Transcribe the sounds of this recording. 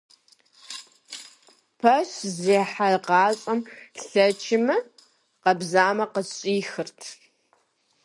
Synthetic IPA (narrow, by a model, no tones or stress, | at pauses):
pʰɐʃzeːħarqɑːɕʼɐmɬɐt͡ʃʰɪmɨ | qɐbzaːmɐqəɕʼiːxɨrtʰ